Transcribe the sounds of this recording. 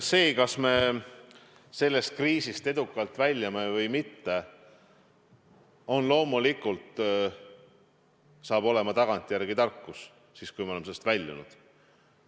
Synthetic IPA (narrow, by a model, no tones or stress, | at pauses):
se̞ːkɑsme̞ | se̞lːe̞st̪̚kriːsist̪e̞d̪ukːˑɑlt̪vælʲjɑme̞vɤjmit̪ːe̞ | o̞nlo̞ːmulikːˑult̪ | sɑːb̥o̞le̞mɑt̪ɑɡ̥ɑnt̪ʲːˑjærɡit̪ɑrkːus | siːskujmeole̞mse̞ːest̪vælʲːṵnṵd̪̥